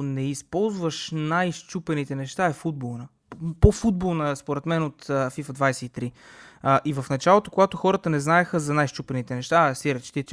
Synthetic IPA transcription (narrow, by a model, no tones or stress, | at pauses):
nɛispɔlˠzvəʃnajʃt͡ʃupɛnit̪ɛnɛʃt̪aɛfud̪̚bolˠnə | pofud̪̚bolˠnəspoɾɛt̪mɛnot̪ɐfifəd̪vajsɛit̪ɾiʔivɐfnɐt͡ʃalˠot̪okoɡat̪oxɔɾət̪ənɛznaɛxəzɐnajʃt͡ʃupɛnit̪ɛnɛʃt̪asɛɾɛt͡ʃt̪it̪